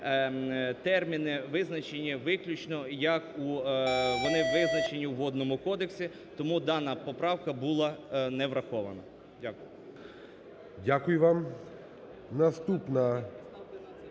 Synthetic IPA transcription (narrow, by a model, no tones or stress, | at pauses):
t̪ɛrmʲinɪʋɪznɐt͡ʃenʲːɐʋɪklʲʊt͡ʃnɔjɐku | ʋɔnɪʋɪznɐt͡ʃenʲːiwɦɔd̪nɔmʊkɔd̪eksʲi | t̪ɔmud̪ɑnɐpɔpɾɑwkɐbulˠɑnɛʋɾɐxɔʋɐnɐ | dʲakʊjʊ | dʲakʊjʊʋam | nɐst̪upnɐ